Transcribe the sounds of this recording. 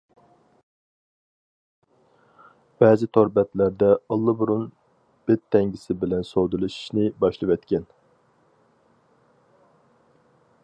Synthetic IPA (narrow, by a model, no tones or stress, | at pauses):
b̥ɛːzɪt̪ʰoɾbɛt̪læɾd̪ɛəlˠːɨbuɾun | b̥ɪt̪ʰːɛŋɡʲisɪbɪlɛnsod̪ulˠɨʃi̥ʃnɪbɑʃlˠɨvɛt̪kʲʰɛn